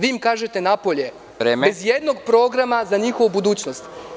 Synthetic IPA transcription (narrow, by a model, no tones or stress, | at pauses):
ʋiːmkaːʒet̪e̞napo̞ʎe̞ | ɾeːmeezjed̪no̞ɡpɾo̞ɡɾamazaɲixo̞ʋubud̪uːt͡ɕno̞st̪